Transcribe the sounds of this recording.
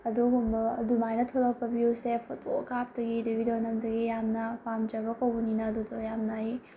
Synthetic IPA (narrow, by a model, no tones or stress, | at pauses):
ɐduɡumbɐdumajnɐtʰolɐk̚pɐbiusepʰut̚o̰kap̚dɐɡidebʱidonɐmdɐɡijamnɐpamd͡ʒɐbɐkɐwbɐninɐːdudɐjamnai